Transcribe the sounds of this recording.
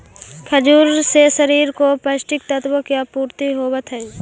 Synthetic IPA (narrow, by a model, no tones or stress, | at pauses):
kʰəd͡ʒuːɾsesəɾiːɾkopəʃʈɪk̚t̪ət̪bəkjapuːɾt̪iɦoːwət̪ʰɦɛi